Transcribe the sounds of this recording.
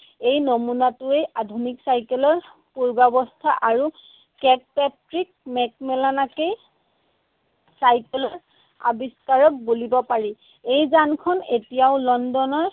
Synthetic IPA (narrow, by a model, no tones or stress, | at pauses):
ejnomunatʊejʔadʱuniksajkɛlɔɹ | puɹbabɔstʰaʔaɹu | kɛkpɛtɹik̚mɛk̚mɛlanakej | sajkɛlɔɹ | a̰biskaɹɔk̚bolibɔpaɹi | ejzankʰɔnetijaʊlɔndɔnɔɹ